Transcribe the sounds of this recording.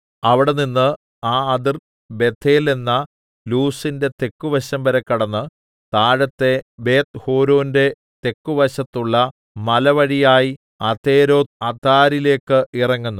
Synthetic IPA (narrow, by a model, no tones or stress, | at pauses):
ɐʋiɽe̞ninːɨ | aːɐd̪ir | be̞t̪ʰːe̞ːle̞nːɐ | luːsinde̞t̪e̞kːuʋɐɕɐmbɐɾɐkːɐɽɐnːɨ | t̪aːɻɐt̪ːe̞be̞ːt̪hoːɾoːnde̞ | t̪e̞kːuʋɐɕɐt̪ːuɭːɐ | mɐlɐʋɐɻijaːji | ɐt̪ʰe̞ːɾo̞ːd̪̚ɐt̪aːɾile̞ːkːɨirɐŋːunːu